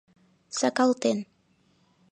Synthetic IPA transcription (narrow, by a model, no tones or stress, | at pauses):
sakalt̪en